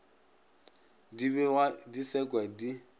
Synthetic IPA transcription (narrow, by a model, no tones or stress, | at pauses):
dibɛadisɛkʼwadi